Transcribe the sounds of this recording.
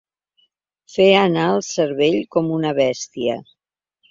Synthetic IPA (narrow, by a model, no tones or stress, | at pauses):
feənaəlˠsəɾβeʎkɔmunəβɛst̪iə̰